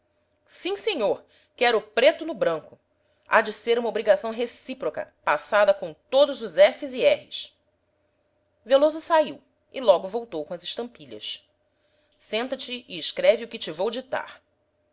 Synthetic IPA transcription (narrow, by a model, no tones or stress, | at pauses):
sĩseɲoɾ | kɛɾʊpɾet̪ʊnʊbɾɐ̃ŋkʊ | a̰d͡ʒɪseɾũmɐobɾiɡasɐ̃w̃ɦesipɾokɐ̰pasad̪ɐkõw̃t̪od̪ʊzʊzɛfɪziɛhɪs | velozʊsaiw | ɪlɔɡʊvowt̪owkõɐzɪʃt̪ɐ̃mpiʎɐ̰s | sẽnt̪ɐt͡ʃɪɪːʃkɾɛviʊkɪt͡ʃɪvowd͡ʒit̪a̰χ